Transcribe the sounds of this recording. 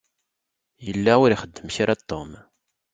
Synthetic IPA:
jəlːæʊɾiχəd̪ːəmçiɾæt̪ːom

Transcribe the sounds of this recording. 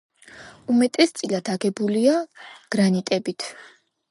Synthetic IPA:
umɛt̪ʼɛst̪sʼilad̪ʰaɡɛbuliaɡ̥ɾanit̪ʼɛbit̪ʰ

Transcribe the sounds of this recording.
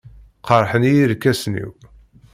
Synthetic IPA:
qəɾˤħənijiɾkːæsnḭw

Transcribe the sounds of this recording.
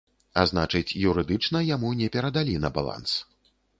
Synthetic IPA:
a̰znat͡ʂɨt͡sʲjuɾɨd̪ɨt͡ʂnɐjamunʲɛpʲɛɾɐd̪alʲinɐba̰lˠa̰ns

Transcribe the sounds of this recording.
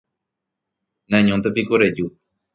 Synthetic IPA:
nãɲõnt̪̬epikoɾed͡ʒu

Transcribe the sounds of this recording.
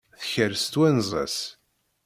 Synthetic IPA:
θçəɾst̪wænzˤæ̰s

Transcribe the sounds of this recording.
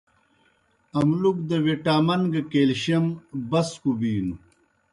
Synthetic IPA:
ɐmlukd̪ɐweʈaːmɐŋɡɐkeːlɕɐmbɐskubiːnu

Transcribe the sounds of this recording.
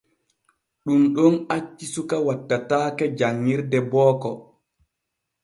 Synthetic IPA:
ɗumɗɔnat͡ʃːisukawatːataːkɛd͡ʒaŋːiɾdɛbɔːkɔ

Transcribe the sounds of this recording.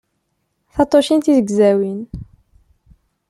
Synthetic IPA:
θɑt̪ˤːoʃint̪iðəɡzæwin

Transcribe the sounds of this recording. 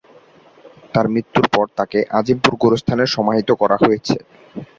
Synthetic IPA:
t̪aɾmɾit̪ːuɾpɔɾt̪akeʔad͡ʑimpuɾɡoɾost̪ʰaneɾʃɔmaɦit̪okɔɾaɦojet͡ɕʰe

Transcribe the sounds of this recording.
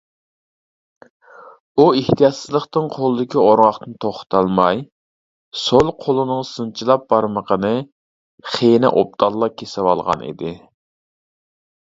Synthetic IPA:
ueht̪ijɑt̪sɨzlˠəχt̪ɨnqʰolˠɨd̪ɪkʲioɾʁɑχt̪ɨnt̪ʰoχt̪ʰɑlˠmɑj | solˠqʰolˠɨnɨŋsɨnt͡ʃʰilˠɑp̚bɑɾməqʰənɨ | χenɪ̰ʔo̰p̚t̪ʰɑlˠːɑkʲʰesɪwɑ̰lˠʁɑ̰nḭd̪ɪ

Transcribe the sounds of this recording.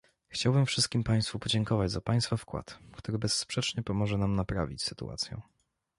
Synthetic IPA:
xt͡ɕawbɘmfʂɘst̪̚kʲimpaj̃st̪fupɔd͡ʑɛŋkɔvad͡ʑzapaj̃st̪fafkwa̰t̪kt̪uɾɘbɛsːpʂɛt͡ʂɲɛpɔmɔʐɛnamnapɾa̰vʲit͡ɕsɘt̪ṵʔa̰t̪sʲjɛ̰

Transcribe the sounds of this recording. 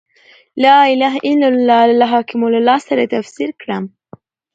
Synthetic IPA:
lɑɪlaɦʔɪnalɦɑkɪmulalɑssaɾat̪afsiɾkɽam

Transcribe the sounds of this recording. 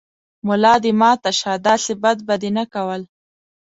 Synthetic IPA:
mʊlɑd̪ɪmɑt̪aʃɑd̪ɑsɪbad̪̚bad̪enakawəl

